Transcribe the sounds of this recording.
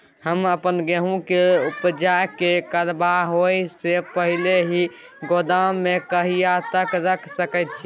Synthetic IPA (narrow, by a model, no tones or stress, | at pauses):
həməpənɡeɦũkeupd͡ʒakekəɾbaɦojsepəɦileɦi | ɡod̪amːekəɦijat̪əkɾəksəkɛt̪̚t͡ʃʰi